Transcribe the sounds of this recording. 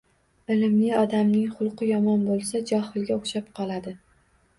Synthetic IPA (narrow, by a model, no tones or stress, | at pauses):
ɪlɪmlɪɒd̪amnɪŋχʊlˠqʰɨjɒmɒnbolˠsad͡ʒɒhɪlˠɡʲaʊχʃapqʰɒlˠad̪ɪ